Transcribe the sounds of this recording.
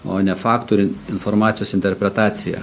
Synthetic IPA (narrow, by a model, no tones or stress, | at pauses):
o̰ːnʲɛfɑːkt̪oɾʲɪnfoɾmɑːt̪ʲɪjoːsɪnʲt̪ʲɛɾʲpʲɾʲɛt̪ɑːt̪sʲɪjɛ̰